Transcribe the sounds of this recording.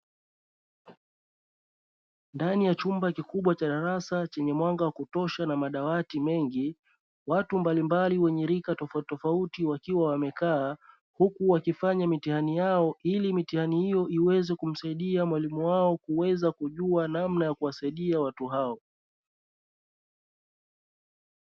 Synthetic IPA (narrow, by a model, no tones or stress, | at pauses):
ndanijat͡ʃumbakikuɓwat͡ʃaɗaɾasat͡ʃɛɲɛmwaŋɡawakutɔʃanamaɗawatimɛŋɡi | watumbalimbaliwɛɲɛɾikatɔftɔfautiwakiwawamɛkaː | hukuwakifaɲamitihanijaɔʔilimitihanihijɔʔiwɛzɛkum̩saiɗiamwalimuwaɔkuwɛzakuʄuanamnajakuwasaiɗiawatuɦaɔ